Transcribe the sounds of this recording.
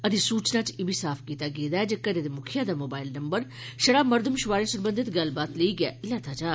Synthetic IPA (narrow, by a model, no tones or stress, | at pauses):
əd̪isuːt͡ʃnãːt͡ʃɪbʱisaːpʰkiːt̪aːɡeːd̪aːɛd͡ʒəkːəɾed̪emʊkʰɪjãːd̪aːmoːbaːɪlnɐmbəɾ | ʃəɽaːməɾd̪ʱəmʃʊʋaːɾẽːsʊɾbə̃nd̪ɪt̪ɡɐlbaːt̪leiːɡɪɛ̰ːʔɪlaːt̪ʰaːd͡ʒaː